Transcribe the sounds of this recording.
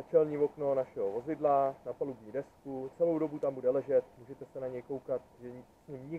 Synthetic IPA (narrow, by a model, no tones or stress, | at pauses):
t͡ʃɛlɲiːvo̞kno̞naʃɛɦo̞vo̞zɪdlanapalubɲiːdɛskut͡sɛlo̞wdo̞but̪ambudɛlɛʒɛt̪muːʒɛt̪ɛsɛnaɲɛjko̞wkat̪ʒɛɲsɲimɲɪ